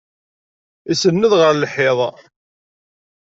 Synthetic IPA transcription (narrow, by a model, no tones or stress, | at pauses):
isənːəðʁəɾlħɪðˤ